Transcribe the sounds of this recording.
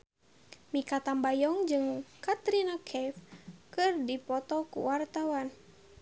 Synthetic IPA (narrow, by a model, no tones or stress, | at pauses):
mikat̪ambajɔŋd͡ʒɨŋkat̪ɾinakʰɛfkɨrdipɔt̪ɔkṵwart̪awan